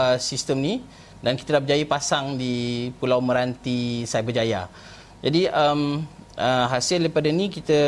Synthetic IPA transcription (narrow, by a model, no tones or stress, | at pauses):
əsist̪əmni | dankit̪ədabəd͡ʒajipasaŋdipulawmə̃ɾant̪isajbəd͡ʒaja̰ | d͡ʒadiəm | ʔəɦasɪldajpadanĩkit̪ə